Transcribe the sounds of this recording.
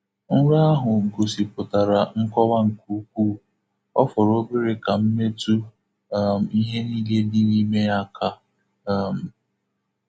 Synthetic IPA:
n̩˦ɾa˦a˦ɦʊ˨ɡo˨si˨pʊ˨ta˨ɾa˨ŋ̩˦kɔ˦wa˦ŋ̩˨ku˦˨˦k̚ʷuː˦˨ | ɔ̰˦fɔ˨ɾo˦be˦ɾe˨ka˨m̩˦me˦tu˦ | m̩˨i˦ɦe˦ni˦ɡe˦li˦ni˦me˦ja˦kʰa˦˨ | m̩˨

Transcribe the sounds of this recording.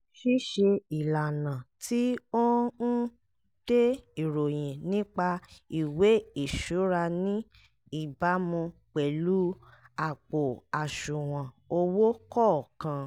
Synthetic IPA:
ʃi˦ʃi˧i˨la˨nã˨tʰi˦o˦n̩˦ | d̥e˦i˨ɾo˨j̃ɛ̃˨nĩ˦k͡pa˧i˨we˨˦i˨ʃu˨˦ɾa˧nĩ˦ | i˨ba˨˦mũ˧k͡pɛ˨lu˦a˨k͡po˨a˨ʃũ˨w̃ã˨ | o˧wo˦kɔ˦˨kã˧

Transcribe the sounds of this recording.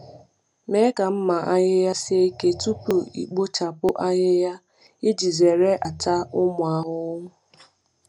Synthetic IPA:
me˦ka˨m̩˦ma˨ʔa˦ɲɪ˦ja˦sɪ˦e˦i˦ke˦tu˦pu˨ḭ˨k͡po˦t͡ʃa˨pʊ˦ʔa˦ɲɪ˦ja˦ | ɪ˦d͡ʒi˨ze˨ɾe˦ʔa˨ta˦ʊ˦mʊ˨a˨ɦʊ˦ŋʊ˦

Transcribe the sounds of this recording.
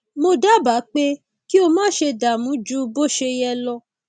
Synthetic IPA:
mo˧da˦˨ba˨˦k͡pe˦ | ki˦o˧mãː˦ʃe˧da˨mũ˨˦d͡ʒu˦bo˦˨ʃe˧jɛ˧lɔ˧

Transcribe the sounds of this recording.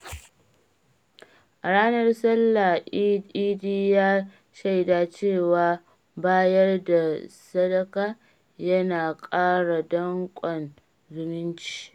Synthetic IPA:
ʔa˨ɽaː˦nɐ˦rsɐ˦lːa˨ʔi˦diː˦jaː˦ | ʃɐ˦˨jdaː˨t͡ʃeː˦˨waː˨ | baː˦jɐ˦rda˨sɐ˦dɐ˦kaː˦ | jɐ˦naː˨kʼaː˦ɽa˨dɐ˦ŋkʷʼɔ˨n | zɪ˦nɪ˦nt͡ʃi̥ː˦˨

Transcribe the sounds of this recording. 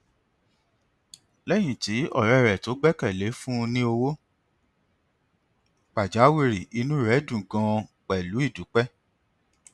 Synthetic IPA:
lɛ˦j̃ĩ˨ti˨˦ɔ˦˨ɾɛ˦˨ɾɛ˨to˨˦ɡ͡bɛ˦kɛ˦˨le˨˦fũ˦˧nĩ˦o˧wo˦ | k͡pa˨d͡ʒa˨˦wi˦˨ɾi˨i˧nũ˦˨ɾɛ˨˦dũ˨ɡã˧k͡pɛ˨lu˨˦i˦˨du˨˦k͡pɛ˦

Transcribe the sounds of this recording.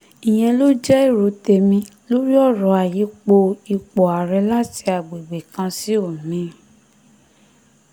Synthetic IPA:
ĩ˨j̃ɛ̃˧lo˦d͡ʒɛ˦i˦˨ɾo˨˦te˧mĩ˧ | lo˦ɾi˦ɔ˦˨ɾɔ˨˧˦a˨ji˨˦k͡po˧i˧k͡pɔ˨a˨ɾɛ˧˦la˦ti˧˦a˨ɡ͡be˨ɡ͡be˨kã˧si˦o˦˨mĩ˨˦

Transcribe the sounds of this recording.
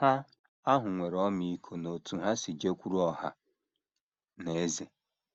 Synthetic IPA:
ha˦ | a˦ɦʊ˨ŋʷe˨ɾɔ˦mi˨i˦kʰo˨no˨tu˨ɦa˦si˨d͡ʒe˦kʷu˦ɾu˦ɔ˦˨ɦa̰˨ | ne˨e˦ze˨

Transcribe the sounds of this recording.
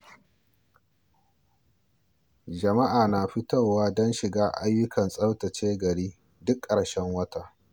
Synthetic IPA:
d͡ʒɐ˨ma˦ʔaː˨naː˨ɸi˦tɐ˦˨wwaː˦dɔ˦nʃɪ˨ɡaː˦ʔa̰˦jːʊ˦kʰɐ˨nsʼɐ˦wtɐ˨t͡ʃeː˦ɡɐ˨ɽiː˦ | dʊ˦kʼːɐ˨ɽʃɛ˦ŋwɐ˦ta˦˨ʔ

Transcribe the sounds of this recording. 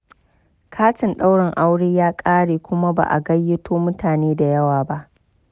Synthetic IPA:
kʰaː˦tɪ˨nɗa˦wɽɪ˨ŋʔa˦wɽeː˦jaː˦kʼaː˦ɽeː˨kʷʊ˦ma˦ba̰˨ʔa̰˨ɡɐ˦jːɪ˦tʰoː˦mʊ˦tʰaː˨neː˦da˨jɐ˦waː˨ba˦ʔ

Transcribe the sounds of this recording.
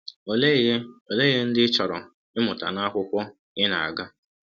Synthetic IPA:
o˨lo˨le˦ɣe˦n̩˦dɪ˦t͡ʃɔ˨ɾɔ̰˨ | ɪ˦mʊ˨ta̰˨na˦kʷʊ˦kʷʊ˦ | ɪ˦na̰˨a̰˨ɡa˦

